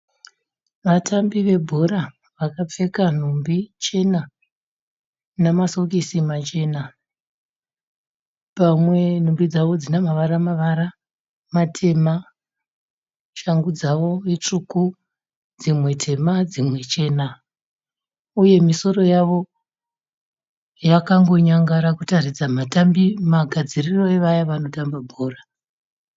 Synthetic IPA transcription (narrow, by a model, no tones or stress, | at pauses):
ʋatʰambiʋe̞bʱoɾa | ʋakap͡fe̞kan̤umbit͡ʃe̞na | namasokisimat͡ʃe̞na | pamwe̞n̤umbid͡zaʋo̞d͡zinamaʋaɾamaʋaɾa | matʰe̞ma | ʃaŋɡud͡zaʋo̞it͡ʂuku | d͡zimwe̞tʰe̞mad͡zimwe̞t͡ʃe̞ːna | uje̞miso̞ro̞jaʋo̞ | jakaŋɡo̞ɲaŋɡaɾakutarid͡zamatambimaɡʱad͡ziriro̞e̞ʋajaʋano̞tambabʱoːra